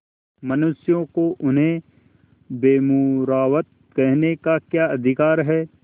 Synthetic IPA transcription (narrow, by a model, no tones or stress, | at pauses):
mɐnʊsjõkoʔʊnɦẽ | beːmʊɾaːʋət̪̚ | kɛɦnekakjaːɐd̪ʱɪkaːɾɦɛː